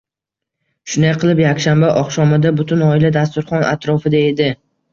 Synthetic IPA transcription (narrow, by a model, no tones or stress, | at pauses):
ʃʊnd̪ajqʰɨlˠɪpjakʲʃambaʔɒχʃɒmad̪abʊt̪ʰʊnɒɪlad̪as̬t̪ʊɾχɒnʔa̰t̪ɾɒfɪd̪ae̞d̪ɪ